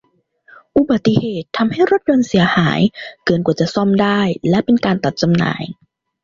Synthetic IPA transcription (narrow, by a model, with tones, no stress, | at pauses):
ʔu˧˩ba˨˩t̪ːi˧˩heː˨˩t̪ʰːa˧mha˥˩jɾo˦˥t̪̚jo˧nsi˨˩˦ɐhaː˩˦jkɤː˧˩nkwaː˨˩t͡ɕa˨˩ʔsɔ˥˩mdaː˥˩jlɛ˦˥pe˧nkaː˧nt̪a˨˩t̪̚t͡ɕa˧mna̰ː˩˦j